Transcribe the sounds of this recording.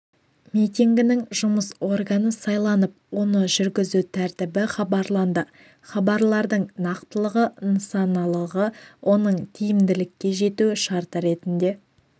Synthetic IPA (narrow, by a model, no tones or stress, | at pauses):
mit̪ʲiŋɡʲɪnɪŋʒʊməso̞rɡanəsɑjlˠɑnəp̚wo̞nəʒʏɾɡʲɪzut̪ʰæɾt̪ɪbɪχɑbɑɾlˠɑnd̪ə | χɑbɑɾlˠɑɾd̪əɴnɑqt̪əlˠəʁəənsɑnlˠəʁəwʔo̞nəɴt̪ʰijɪmd̪ɪlɪkʲːe̞ʒe̞t̪uɪʃɑɾt̪əɾe̞t̪ɪnd̪e̞